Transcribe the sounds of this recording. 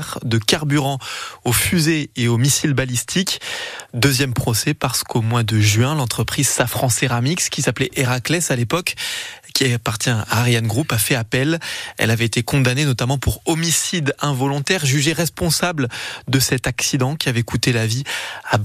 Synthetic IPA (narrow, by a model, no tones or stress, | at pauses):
ʁd̪əkaʁbyʁɑ̃ofyzeeomisilbalist̪ʰikd̪øzjɛmpχɔsɛpaʁsə̥komwad̪əʒɥɛ̃lɑ̃t̪χəpχizsafχɑ̃seʁamikskʲisaplɛʔeʁaklɛsalepɔkkʲiapaʁt̪jɛ̃a̰ːʁjanɡʁupafɛapɛlɛ̰lavɛet̪ekɔ̃d̪anenɔt̪amɑ̃puʁɔmisid̪ɛ̃vɔlɔ̃t̪ɛʁʒyʒeʁɛspɔ̃sabld̪əsɛt̪aksid̪ɑ̃kʲʰiavɛkut̪elavia